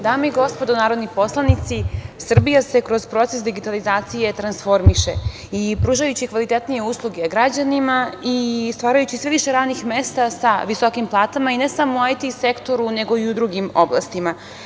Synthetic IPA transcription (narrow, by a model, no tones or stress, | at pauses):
d̪aːmeiɡo̞spo̞d̪onaːɾod̪nipo̞slˠanit̪sisr̩bijase̞kɾo̞zpɾo̞t̪sesd̪iɡit̪alizaːt̪sije̞t̪ɾansfo̞ɾmiʃe̞̰ | ipɾuːʒajut͡ɕikʋalit̪e̞t̪nije̞uːslˠuɡeɡɾad͡ʑanimaist̪ʋaːɾajut͡ɕisʋe̞ʋiʃe̞ɾaːd̪nixmest̪asaʋiso̞kimplˠaːt̪amaine̞samouajt̪isekt̪o̞ɾune̞ɡo̞iud̪ɾuɡimo̞blˠa̰st̪ima